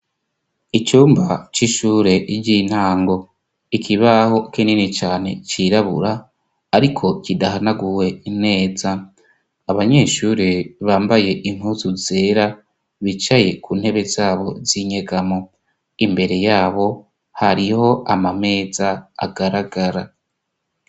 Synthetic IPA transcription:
it͡ʃuːmbat͡ʃiʃuːɾe̞ʔiɟin̥haːŋɡo̞ | ikʰiβaho̞kininit͡ʃaːne̞t͡ʃiɾaβṵɾaː | ɾikʰo̞kidahanaɡuwe̞in̥e̞ːzaː | βaɲe̞ːʃuːɾeβaːmbaje̞ʔin̥huzuze̞ːɾa | βit͡ʃaje̞kuːnhe̞βe̞zaːβo̞̰ziɲe̞ɡamo | imbe̞ɾe̞jaːβo̞ | haɾiho̞ʔamame̞ːza̰ːɡaɾaɡaɾa

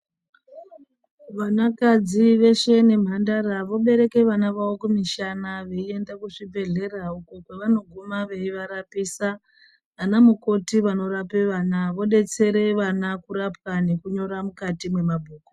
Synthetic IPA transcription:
ʋanakad͡ziʋe̞ʃe̞ne̞m̤andaɾaʋo̞ɓe̞ɾe̞ke̞ʋanaʋawokumiʃanaʋe̞ie̞ndakuʂibʱe̞ɮe̞raukokwe̞ʋano̞ɡʱumaʋe̞iʋaɾapiːsaː | namuko̞tiʋano̞ɾape̞ʋanaʋo̞ɗe̞t͡se̞ɾe̞ʋanakuɾap̚wane̞kuɲo̞ɾamukatimwe̞mabʱuːko

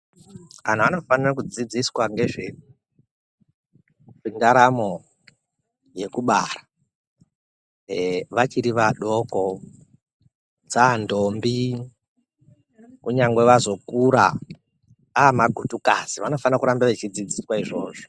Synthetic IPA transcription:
kan̤aano̞fanirak̬ud͡zid͡ziswaŋɡe̞ʐeu | ʐindaɾamo̞ | je̞kuɓaːra | ʋat͡ʃiɾiʋaɗoko | d͡zaːndombi | kuɲaŋɡwe̞ʋazo̞kuɾa̰ | aːmaɡʱutuka̰ziʋano̞fanirakuɾambaʋet͡ʃid͡zid͡ziswaiʐo̞̰ːʐo̥

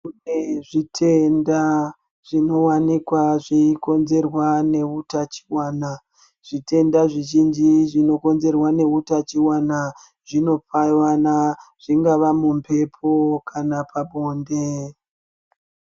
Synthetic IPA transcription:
kuneʐitʰe̞nda | ʐ̥ino̞wanikwaʐiiko̞nze̞rwane̞utat͡ʃi̥waːna | ʐ̥ite̞ndaʐiʒind͡ʒiʐino̞ko̞nze̞rwane̞utat͡ʃiwana | ʐino̞p͡faiwanaʐ̥iŋɡaʋamumpʰe̞pʰo̞kʰanapaɓo̞ːnde

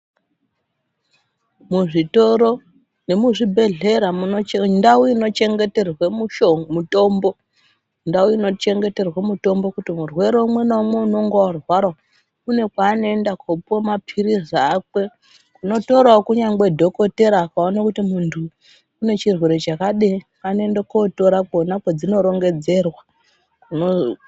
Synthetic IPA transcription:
muʐitoɾo | ne̞muʐibʱe̞ɮe̞ɾamundauino̞t͡ʃe̞ŋɡe̞te̞rwemuʃoŋmutoːmbo̞ | ndauino̞t͡ʃe̞ŋɡe̞te̞rwemuto̞mbo̞kutimurwe̞ɾo̞umwenamweuno̞ŋɡowarwaɾa | une̞kwaːnondakʰopomapʰirizaːkwe̞ | kuno̞to̞ɾaokuɲaŋɡe̞dʱo̞ko̞te̞ɾaːkaonakutimuntʰuː | ne̞t͡ʃirwe̞ɾe̞t͡ʃakaɗe | anoendekoto̞ɾakuonakwed͡zino̞ɾo̞ŋɡe̞d͡ze̞rwa | kuno

